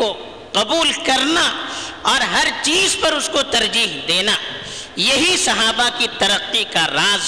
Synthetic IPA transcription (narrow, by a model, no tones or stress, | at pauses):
o | qɐbuːlkɐɾnaɔːɾɦɐɾt͡ʃiːzpɐɾʊskot̪ɐɾd͡ʒiːɦd̪eːna | jɐɦisɐɦaːbakit̪ɐɾəqːikaɾaːz